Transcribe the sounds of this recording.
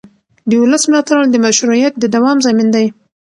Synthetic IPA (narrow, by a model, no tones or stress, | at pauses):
d̪əʊləsmlɑt̪aɾald̪əmaʃɾuijat̪̚d̪əd̪awɑmzamind̪aj